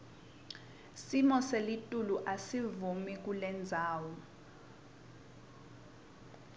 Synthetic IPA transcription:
simɔselitʼuluʔasivumik̬ulɛnd͡zʱaːwɔ

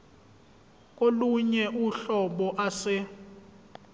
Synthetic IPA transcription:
k̬ʼoluɲɛʔuɬɔɓɔʔasɪ

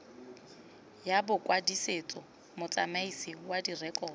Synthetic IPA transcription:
jabʊkʼwadiset͡sʼɔ | mʊt͡sʼamaisiwadirɛkʼɔːdɔ

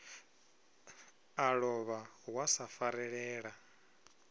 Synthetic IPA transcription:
aɺɔβawasafaɾɛɺɛːɺa

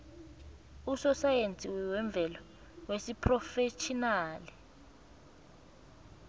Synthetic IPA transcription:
usɔsajent͡sʼiwɛwɛɱb̪vʱɛlɔ | wesipʰrɔfet͡ʃʰinaːlɛ

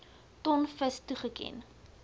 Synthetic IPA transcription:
tɔnfəstuχəkɛ̰n

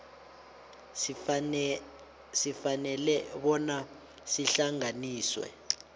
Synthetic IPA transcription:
sifanɛlɛɓɔna | siɬaŋaniːswɛ̰

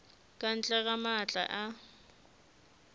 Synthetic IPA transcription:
kʼan̩t͡ɬʼɛɣamat͡ɬʼa̰ʔa

